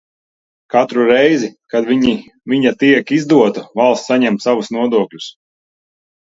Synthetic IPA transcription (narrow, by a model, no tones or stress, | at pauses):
kat̪ɾuɾɛjzikad̪vʲiɲi | viɲat̪iɛkizd̪uɔt̪uvalˠssaɲɛmt̪savusnuɔd̪uɔklʲus